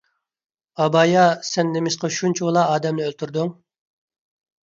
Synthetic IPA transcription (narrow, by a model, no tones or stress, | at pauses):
ɑbɑjɑsɛnːemɪʃqɑʃunt͡ʃʰilˠɑɑːd̪ɛmnɪølt̪ʰyɾd̪uŋ